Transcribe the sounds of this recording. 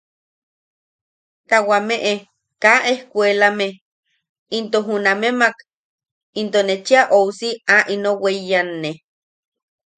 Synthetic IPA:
t̪awameʔe | kaʔehkʷelame | int̪oɦunamemak | int̪onet͡ʃiaʔowsiaʔinowejanːe

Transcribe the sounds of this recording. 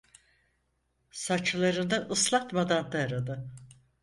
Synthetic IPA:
sat͡ʃlˠaɾɯnaʔɯslˠat̪mad̪and̪aaɾad̪ɯ

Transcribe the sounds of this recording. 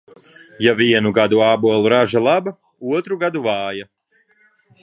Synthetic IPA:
javiɛnuɡad̪uaːbuɔlˠuɾaʒalˠaba | uɔt̪ɾuɡad̪uvɑːja

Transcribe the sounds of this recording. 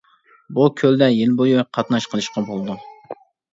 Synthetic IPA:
bukʲʰøld̪ɛjɪlbojuqʰɑt̪nɑʃqəlˠɨʃqɑbolˠd̪u

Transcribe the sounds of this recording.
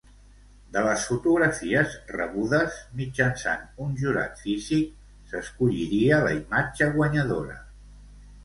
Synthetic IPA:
d̪ələsfut̪uɣɾəfiəzrə̰βuðəzmid͡ʒənsa̰nunʒuɾa̰t̪fizik̚ | səskuʎiɾiələ̰imad͡ʒəɣwəɲəðoɾə̰

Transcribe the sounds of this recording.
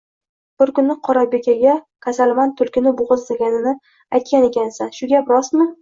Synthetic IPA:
b̥ɪɾkʊnːɪqʰɒɾabe̞kʲaɡʲa | kʲʰasalmant̪ʰʊlkʲɪnɪboʁɨzd̪aɡʲanɪnɪ | ajt̪̚kʲane̞kʲʰansanʃʊɡʲapɾɒsmɪ

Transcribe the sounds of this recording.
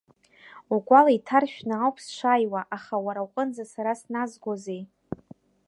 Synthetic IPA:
ukʷʼalaitʰarʃᶣnɨawpʰsʂʷajwaʔaχawaɾawqʼənd͡zasaɾasnazɡʷozej

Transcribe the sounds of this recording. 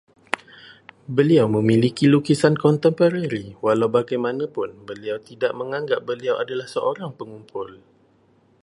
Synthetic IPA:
bəliawmə̃mĩlikilukisankɔnt̪əmpəɾaɾiwalawbaɡajmanãpʊnbəliawt̪idaʔ̚mə̃ŋãŋɡap̚bəliawʔadalahsəʔoɾaŋpəŋumpʰʊl

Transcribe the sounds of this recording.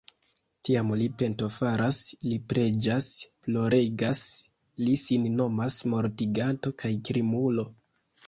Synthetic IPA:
tiamlipe̞nto̞faɾaslipɾe̞d͡ʒasplo̞ɾe̞ɡas | lisinno̞masmo̞ɾtiɡato̞kʰajkɾimulo̞

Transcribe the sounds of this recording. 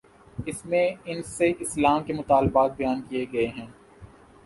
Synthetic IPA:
ɪsmẽɪnseʔɪslaːmkemʊt̪aːlbaːt̪̚bɐjaːnkijeɡɐeɦɛ̃ː

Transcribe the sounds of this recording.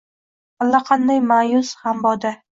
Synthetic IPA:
alːaqʰɑnd̪ajmajʊshambɒd̪a

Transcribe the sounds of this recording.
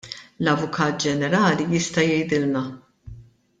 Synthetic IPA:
lɐvʊkʰɐːt̪̚d͡ʒɛnɛɾɐːlijɪst̪ɐjɛjd̪ɪlnɐ

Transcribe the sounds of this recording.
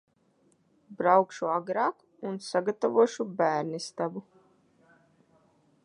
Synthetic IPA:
bɾawkʃuaɡɾaːk | unsaɡat̪avuɔʃubæːɾnist̪abu

